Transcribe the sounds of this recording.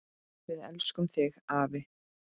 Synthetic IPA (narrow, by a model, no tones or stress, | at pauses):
vɪðɛ̰lskʏmθɪɣaːvɪ